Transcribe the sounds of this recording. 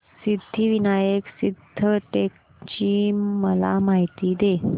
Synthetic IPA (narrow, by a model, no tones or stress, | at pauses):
sid̪ʱːiʋinajəksid̪ʱːəʈek̚ | t͡ɕiːməlamaɦit̪iːd̪e